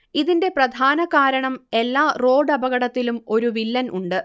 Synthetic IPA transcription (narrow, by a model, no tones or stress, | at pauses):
iðinde̞prɐd̪ʱaːnɐkaːɾɐɳɐme̞lːaːro̞ːɖɐbɐɣɐɽɐt̪ːilumo̞ɾuʋilːɐnʔuɳɖɨ